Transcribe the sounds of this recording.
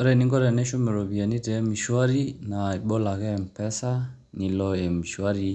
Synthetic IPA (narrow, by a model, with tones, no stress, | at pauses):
ɔ˦ɾɛ˨ni˦ŋɡɔ˦ɾɛ˨nɛ˦ʃu˦mɛ˨ɾɔ˨bi˨a˨ni˦tɛ˨˦mi˨ʃwa˦ɾi˦na˨i˨ɓɔ˦la˨kɛ˦˨m̩˨pɛ˦sa˦ | ni˨lɔ˨e˨mi˨ʃwa˦ɾi˦